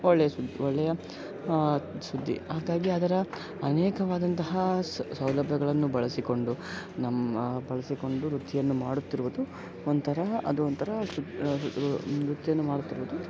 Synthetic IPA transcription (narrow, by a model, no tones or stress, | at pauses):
ɔɭːɛjɐsud̪ːiɔɭːɛjɐ | sud̪ʱːḭɦaːɡaːɡiɐd̪ɐɾɐ | ɐnɛːkɐʋaːd̪ɐnt̪ɐɦɐsɐwlɐbʱjɐɡɐɭɐnːubɐɭɐsiko̞ɳɖu | nɐmːbɐɭɐsiko̞ɳɖuɾut̪ːijɐnːumaːɽut̪ːiɾuʋud̪u | ont̪ʰɐɾɐɐ̰d̪uont̪ʰɐɾɐu | ɾut̪ːijɐnːumaːɽut̪ːiɾuʋud̪u